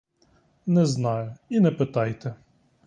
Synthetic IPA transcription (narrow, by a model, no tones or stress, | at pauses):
nɛznɑjʊinɛpɪt̪ɑjt̪ɛ